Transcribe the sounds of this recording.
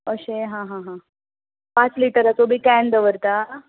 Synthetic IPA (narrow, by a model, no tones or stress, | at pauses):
əɕeɦãɦãɦã | pat͡sliʈəɾat͡sobʱiːkɛɳd̪əʋəɾt̪a